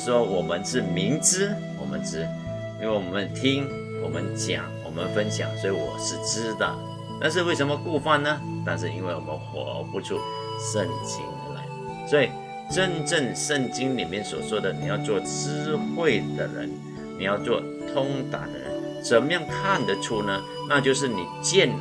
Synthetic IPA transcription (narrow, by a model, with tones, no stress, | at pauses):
ʂwɔ˥wɔ˨˩mə˦nʂɻ̩˥˩mi˧˥ŋʈ͡ʂ̩˥ | wɔ̰˨˩mə̰˦nʈ͡ʂɻ̩˥ | i˥nwe˥˩ɪwɔ˨˩mə˦nt̪ʰi˥ŋ | wɔ˨˩mə̰˦nt͡ɕjɑ̰˨˩˦ŋwɔ˨˩mə˦nfə˥nɕjɑ̰˨˩˦ŋswɔ˧˥i˨wɔ̰˨˩ʂɻ̩˥˩ʈ͡ʂɻ̩˥d̪ə̰˨˩ | t̪a˥˧nʂ̬ɻ̩˥˧we˥˩ɪʂə˧˥nmə˧ku˥˧fa˥˩nnə˦ | t̪a˥˧nʂ̬̩˥˧ḭ˥nwe˥˩wɔ̰˨˩mə̰˦nxwɔ̰˨˦pu˧˥ʈ͡ʂʰṵ˥˩ | ʂə˥˩ŋt͡ɕḭ˥ŋu˧˥la̰˧˦ɪ | swɔ˧˥i˨˩ | ʈ͡ʂə˦˥nʈ͡ʂə˥˧ŋʂə˥˧˩ŋt͡ɕi˥ŋli˨˩mjɛ˥˨nswɔ̰˨˩swɔ˥d̪ə˨nḭ˨˩jɑ˥˧ʊt͡swɔ˥˩t͡sɹ̩˥xwe˥˩ɪd̪ə˨ɻə̰˧˦n | ni˨˩jɑ˥˧ʊt͡swɔ˥˩ | t̪ʰʊ˥ŋt̪a̰˨˩˦d̪ə̰˨ɻə̰˧ə˦n | ʂə˨˥mə˦jɑ˥˩ŋkʰa˥˨nd̪ə˨ʈ͡ʂʰu˥˩nə˧ | na˥˧t͡ɕjo˥˧ʊʂ̬ɻ̩˥˩ni˨˩t͡ɕjɛ˥˩n